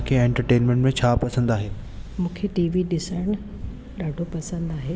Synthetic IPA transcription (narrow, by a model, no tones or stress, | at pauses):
kʰeɛ̃ːɳʈəɾʈeːnmẽɳʈmẽt͡ɕʰaːpɐsə̃nd̪aːɦeː | mũːkʰeʈiːʋiɗɪsəɽñ | ɗaːɖʱopɐsə̃nd̪aːɦeː